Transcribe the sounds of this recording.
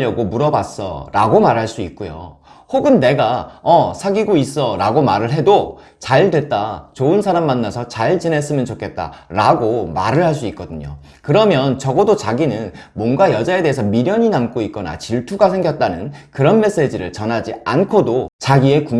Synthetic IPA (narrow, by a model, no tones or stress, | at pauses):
ʌɡomuɾʌbas͈ʌ̰ɾaɡomaɾɦaɭs͈uit̚k͈ujo̰ | hoɡɯnːe̞ɡaʌsʰaɡiɡois͈ʌɾaɡomaɾɯɭɦe̞do | t͡ɕaɭdwe̞t̚t͈at͡ɕoɯnsʰaɾamːanːasʰʌt͡ɕaɭt͡ɕine̞s͈ɯmjʌnt͡ɕokʰe̞t̚t͈a̰ɾaɡoma̰ɾɯɭhaɭs̬͈uit̚k͈ʌdɯɲo̰ | kɯɾʌmjʌnt͡ɕʌɡʌdot͡ɕaɡinɯn | mwʌnɡajʌd͡ʑae̞de̞ɦesʰʌmiɾjʌɲinamk͈oit̚k͈ʌna̰t͡ɕiɭtʰuɡasʰe̞ŋɡjʌt̚t͈anɯnkɯɾʌnme̞s͈e̞d͡ʑiɾɯɭt͡ɕʌnɦad͡ʑiankʰodot͡ɕaɡie̞ku